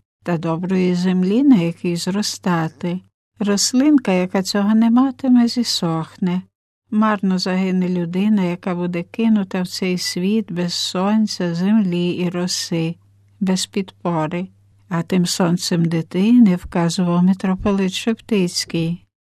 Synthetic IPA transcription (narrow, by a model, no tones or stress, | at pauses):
t̪ɐd̪ɔbɾɔjizemlʲinɐjɐkijzrɔst̪ɑt̪ɪ | rɔslˠɪnkɐjɐkat͡sʲɔɦɔnɛmɑt̪ɪmɛzʲisɔxnɛ | mɑrnɔzɐɦɪnɪlʲʊd̪ɪnɐjɐkɑbud̪ɛkɪnʊt̪ɐwt͡ssɛjsʲʋʲid̪bɛz̥sɔnʲt͡sʲɐzemlʲiiɾɔsɪ | bɛspʲid̪pɔɾɪ | ɐt̪ɪmsɔnt̪sɛmd̪ɪt̪ɪnɛwkɑzʊʋɐwmʲet̪ɾɔpɔlˠɪt̪ʃept̪ɪt͡sʲkij